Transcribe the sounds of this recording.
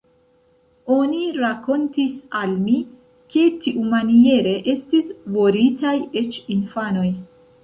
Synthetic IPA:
o̞niɾako̞ntisalmi | ke̞tiʔumanije̞ɾe̞ʔe̞stisvo̞ɾitaje̞t͡ʃinfano̞j

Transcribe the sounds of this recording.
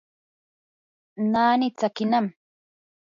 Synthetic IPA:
naːnɪt͡sakɪnam

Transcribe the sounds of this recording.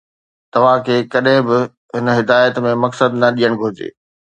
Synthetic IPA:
t̪ɐʋ̤ãkʰeːkɐɗɦɪ̃bɪ | ɦɪnɦɪd̪aːjət̪mẽmɐksəd̪nɐɗijəɽ̃ɡʱod͡ʑḛː

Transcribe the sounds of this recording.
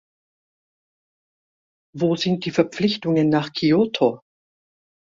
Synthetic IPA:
voːzɪnt̚d̥iːfɛɐp͡flɪçtʊŋənːaːχkʰiotʰo

